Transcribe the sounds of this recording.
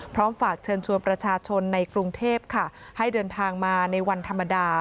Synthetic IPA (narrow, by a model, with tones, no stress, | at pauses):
pʰɾɔː˦˥mfaː˨˩k̚t͡ɕʰɤː˧nt͡ɕʰu˧ənpɾa˧t͡ɕʰaː˧t͡ɕʰo˧nːa˧jkɾu˧ŋt̪ʰeː˥˩p̚kʰa˥˩ | ha˥˩jdɤː˧nt̪ʰaː˧ŋmaː˧na˧jwa˧nt̪ʰa˧mːa˧daː˧